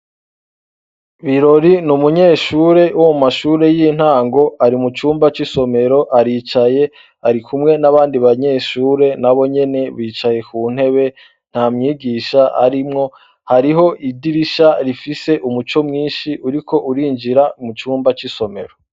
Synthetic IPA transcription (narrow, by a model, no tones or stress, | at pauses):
βiɾo̞ɾinumuɲe̞ːʃuːɾe̞uwmumaʃuːɾe̞jin̥haːŋɡo̞aɾimut͡ʃuːmbat͡ʃiso̞me̞ɾo̞ʔaɾiːt͡ʃaje̞ | aɾikʰumŋe̞naβaːndiβaɲe̞ːʃuːɾe̞naβo̞ɲe̞ne̞βiːt͡ʃaje̞kuːn̥he̞βe̞ | n̥haːmɲiːɡiːʃaʔa̰ɾimŋo̞ | haɾiɦo̞ʔidiɾiʃaɾifise̞ʔumut͡ʃo̞mŋiːnʃiuɾiko̞ʔuɾiːɲd͡ʒiɾamut͡ʃuːmbat͡ʃiso̞me̞ɾo̞